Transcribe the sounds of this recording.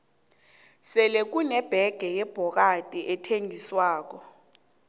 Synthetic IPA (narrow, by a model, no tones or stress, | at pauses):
sɛlek̬unɛb̥ʱɛɡ̥ʱɛjɛb̥ʱɔk̬atʼiʔɛtʰeŋʱiswaːk̬ɔ